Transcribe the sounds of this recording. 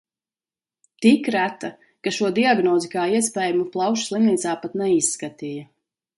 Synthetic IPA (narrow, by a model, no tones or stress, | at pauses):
t̪ikɾæt̪a | kaʃuɔd̪iaɡnɔːzikaːiɛspɛːjumuplˠawʃslˠimniːt̪saːpat̪nɛisːkat̪ijɐ